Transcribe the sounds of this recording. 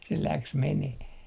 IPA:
se læks meneh

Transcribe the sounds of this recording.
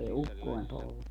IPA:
ei ukːoem poltɑ

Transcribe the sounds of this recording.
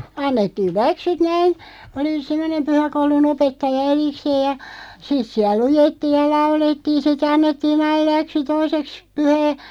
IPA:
ɑnːetːiːl̆ læksyt næin oli semːŏnem pyhækoulun opetːɑjɑ erikseːj̆ jɑ sit siæl lujetːiːj̆ jɑ lɑuletːiːn̞ sit ɑnːetːiːn̞ ɑil̆ læksy toiseks pyhæː

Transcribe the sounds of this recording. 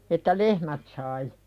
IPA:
etːæ lehmæt sɑi

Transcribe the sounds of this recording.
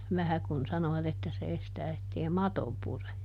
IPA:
ʋæhæ kun sɑnoʋɑt etːæ se estæː etːei mɑto pure

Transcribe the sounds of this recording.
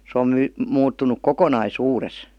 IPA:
se om my muːtːunˑuk kokonɑisuːres

